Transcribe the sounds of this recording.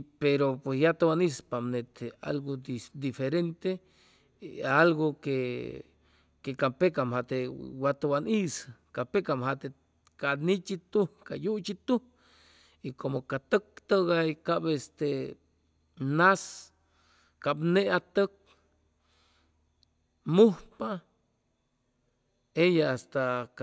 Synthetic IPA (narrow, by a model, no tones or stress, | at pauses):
peɾopwesjat̪awanispamnet̪ea̰lɡod̪ifeɾent̪e | alɡoke | kekapekamhat̪ewat̪awaniskapekamhat̪e | kanit͡ʃit̪ukajut͡ʃit̪u | ikomokat̪ək̚t̪əɣaikabest̪e | nas | kabneat̪ək̚ | muhpa | ejaast̪ak